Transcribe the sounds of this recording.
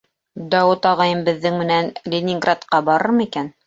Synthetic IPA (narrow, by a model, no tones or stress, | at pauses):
d̪ɑwɤt̪ɑʁɑjɤmbɘ̆ðːɘŋmɘ̆nænlʲenʲiŋɡrat̪qɑbɑɾɤɾmɤikæn